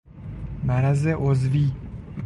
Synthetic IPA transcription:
mæɾæzeʔozviː

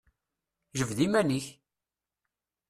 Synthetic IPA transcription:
ʒəvðimæniç

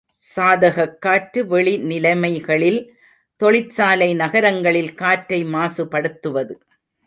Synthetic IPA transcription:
saːðɐɣɐkːaːʈɾɯʋɛɭinɪlɐɪmɐɪɣɐɭɪl | t̪ɔɭɪt͡ʃsaːlɐɪnɐɣɐɾɐŋɡɐɭɪlkaːʈɾɐɪmaːsɯpɐɽɯt̪ːɯʋɐðɯ

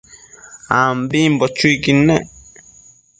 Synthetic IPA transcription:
aːmbĩmbɔt͡ʃuikinɛ̃

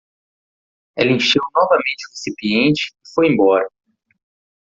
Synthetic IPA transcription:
ɛ̰lẽʃewnɔvɐmẽnt͡ʃɪuhesipiẽnt͡ʃɪ̥ːfojẽmbɔɾɐ

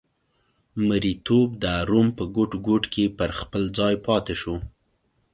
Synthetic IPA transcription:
məɾit̪ob̚d̪əaɾumpəɡoʈɡoʈkepəɾxpəld͡zɑjpɑt̪eʃu

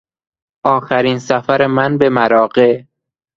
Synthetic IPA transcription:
ʔɒːxæɾiːnsæfæɾemænbe̞mæɾɒːɢe

